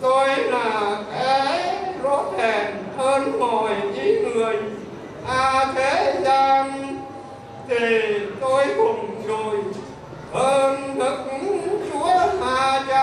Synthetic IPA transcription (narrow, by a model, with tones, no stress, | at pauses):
t̪o˧jlaː˨˩kaː˨˦jzo˨˦˥t̚he˨˩nhəː˧nmo˨˩jɲɨ˨˦ŋŋɨ˨˩əj | ʔaː˧t̪ʰe˨˦zaː˧m | t̪ʰi˨˩t̪o˧jhʊ˨˩ŋ͡mzo˨˩j | ʔəː˧nt̪ə˨˩k̚t͡ɕu˨˦əhaː˧t͡ɕa˧